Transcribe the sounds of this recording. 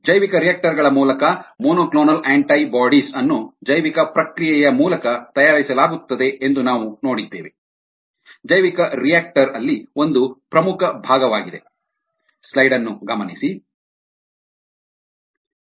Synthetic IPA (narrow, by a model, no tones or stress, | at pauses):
d͡ʒɐjʋikɐɾijaːk̚ʈɐɾɡɐɭɐmuːlɐkɐmoːnoːkloːnɐleːɳʈɐjbaːɖisɐnːud͡ʒɐjʋikɐpɾɐkɾijɛjɐmuːlɐkɐt̪ɐjaːɾisɐlaːɡut̪ːɐd̪e̞ʔend̪unaːʋuno̞ːɽid̪ːeːʋe | d͡ʒɐjʋikɐɾijaːk̚ʈɐɾɐlːio̞nd̪upɾɐmukʰɐbʱaːɡɐʋaːɡid̪e̞̰ | slɐjɖɐnːuɡɐmɐnisi